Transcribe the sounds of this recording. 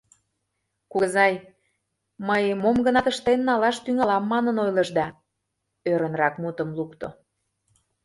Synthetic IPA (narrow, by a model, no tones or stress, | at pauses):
kuzɑj | məjmomɡənɑt̪əʃt̪enːɑlɑʃt̪yŋɑlɑmːɑnənojləʒd̪ɑ | øɾənrɑkmut̪ə̆mlukt̪o̰